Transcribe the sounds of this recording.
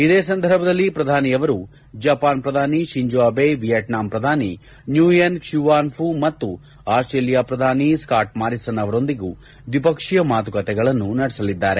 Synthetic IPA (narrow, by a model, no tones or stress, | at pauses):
id̪eːs̬ɐnd̪ʱɐɾbʱɐd̪ɐlːipɾɐd̪ʱaːnijɐʋɐɾu | d͡ʒaːpaːnpɾɐd̪ʱaːniʃiɲd͡ʒoːbeʋijɐʈnaːmpɾɐd̪ʱaːni | njuːjɐnʃjuʋaːnfʰumɐt̪ːu | aːsʈɾeːlijaːpɾɐd̪ʱaːniskaːʈ̚maːɾisɐnɐʋɐɾo̞nd̪iɡu | ʋ̪ipɐkʂijɐmaːt̪ukɐt̪ɛɡɐɭɐnːunɐɽɛsɐlid̪ːaːɾe̞